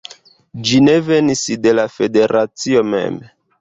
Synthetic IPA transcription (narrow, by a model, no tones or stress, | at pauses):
d͡ʒine̞ve̞nisde̞lafe̞de̞ɾat͡sio̞mḛm